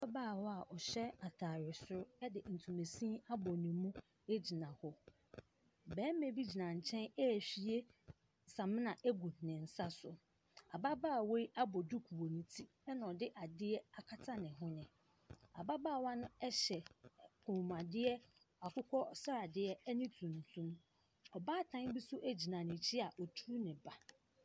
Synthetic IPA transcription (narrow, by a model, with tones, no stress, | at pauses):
a˦baː˦˨wɔ˦a˨ʔɔ˨ɕɛ˦a˨tʰaː˨ɾɪ˨sʊ˦ɾʊ˦ɛ˦dɪ˨n̩˨tʰũ˨me˨sĩ˦a˦bɔ˨nĩ˨mũ˦ | e˦d͡ʑi˨nã˨hɔ˦ | bɛ̃ː˨˦mẽ˨bi˦d͡ʑi˨nã˨ɲ̩˨t͡ɕʰɛ̃˦nɛ˦˨ɕi˨˦e˦ | sã˨mɪ̃˦nã˨ʔe˦ɡu˨nɪ̃˨n̩˨sa˦sʊ˨ | a˨ba˦baː˦˨we˦i˦ʔa˦bɔ˨du˦kʰu˨wo˨nĩ˨tʰi˦ | ɛ˦nã˨ɔ˨dɪ˦ʔa˨dɪ˦ɛ˦a˨kʰa˦tʰa˦nɪ̃˨ɦʊ̃˦nɪ̃˨ | a̰˨ba˦baː˦˨wã˦nʊ̃˦ɛ˦ɕɛ˨kʰũ˨m˨a˨dɪ˦ɛ˦ | a˨kʰʊ˦kʰɔ˦sa˦a˨dɪ˦ɛ˦ɛ˦nĩ˦tʰũ˨n˨tʰũ˦m | ɔ˨baː˦˨tʰã˦n˦bi˦sʊ˦ʔæ˦d͡ʑi˨nã˨nɪ̃˨t͡ɕʰɪ˦a˨ʔɔ˨tʰu˦nɪ̃˨ba˨